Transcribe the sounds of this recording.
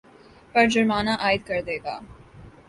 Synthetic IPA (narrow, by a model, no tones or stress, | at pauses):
pəɾd͡ʒəɾmɑːnaʔɑːjd̪̚kəɾd̪ɛːɡa̰ː